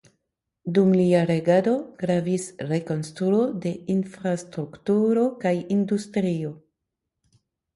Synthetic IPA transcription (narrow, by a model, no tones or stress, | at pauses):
dumliaɾe̞ɡado̞ɡ̥ɾavisɾe̞ko̞nstɾuo̞de̞infɾastɾuktuɾokajindustɾio̞